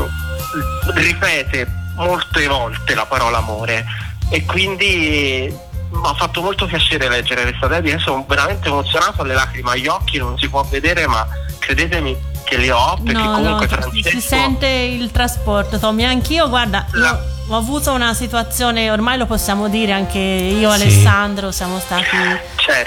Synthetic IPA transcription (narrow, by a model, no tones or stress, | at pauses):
ripɛːt̪emolt̪evɔlt̪elapaɾɔːlaːmoːɾeː | kːwind̪i | ɔfːat̪ːomolt̪opjat͡ʃeːɾelɛd͡ʒːeɾelest̪ad̪ɛd̪iɛsːoveɾament̪eːmot̪sːjonaːt̪oalːelaːkɾimeaʎːɔkːinonsipwɔvːed̪eːɾema | kːɾed̪eːt̪emi | kelːiɔpnːeɾknkɔkonuɔkwefɾant͡ʃisɛnt̪eilt̪ɾaspɔrt̪ot̪ɔmiaŋk̟iːoɡward̪aiao | ɔavuːt̪ounasit̪uat̪sːjoːneormajloposːjaːmod̪iːɾeaŋk̟eiːoalesːand̪ɾosjaːmost̪aːt̪i | t͡ʃɛ